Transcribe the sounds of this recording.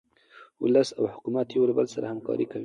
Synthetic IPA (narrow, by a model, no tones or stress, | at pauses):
wʊ̰lasawhʊkumat̪jwlbalsaɾahamkɑ̰ɾʔikawi